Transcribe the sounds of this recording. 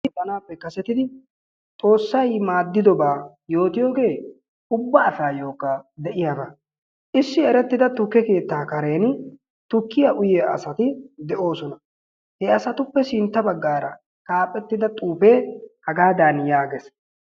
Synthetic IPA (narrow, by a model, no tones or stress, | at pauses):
bɐnaːpːɛkɐsɛt̪ɪd̪ɪ | t̪ʼo̞ːsːɐjmaːd̪ːɪd̪ɔbaː | jo̞ːt̪ɪjo̞ːɡe̞ː | ʊbːɐːsaːjo̞ːkːad̪ɛʔɪjava | ʔɪsːɪɛɾɛt̪ːɪd̪ɐt̪ʊkːɛke̞ːt̪ːaːkɐɾe̞ːn | t̪ʊkːɪjɐʔʊjeːʔɐ̰sɐt̪ɪd̪ɛʔo̞ːsɔnɐ | hɛɐsɐt̪ʊpːɛsɪnt̪ːɐbɐɡːaːɾɐ | kaːpʼːɛt̪ːɪd̪ɐt̪ʼuːfe̞ːhɐɡaːd̪aːnjaːɡɛs